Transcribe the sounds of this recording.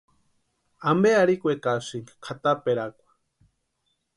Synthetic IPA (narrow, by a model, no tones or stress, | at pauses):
ambeaɾikʷekasɨŋkkʰat̪apeɾakʷḁ